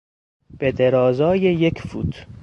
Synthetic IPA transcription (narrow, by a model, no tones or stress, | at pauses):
b̥ed̪eɾɒːzɒːjejecʰfṵːt̪ʰ